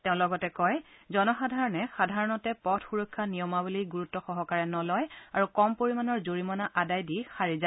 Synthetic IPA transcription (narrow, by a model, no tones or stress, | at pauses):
teʊ̃lɔɡɔtɛkɔjzɔnɔxadʱaɹɔnɛxadʱaɹɔnɔtɛpɔtʰxuɹɔkʰːanijɔmabuliɡuɹutːɔxɔɦɔkaɹɛnɔlɔjaɹukɔmpoɹimanɔɹzoɹimɔnaʔadajdixaɹiza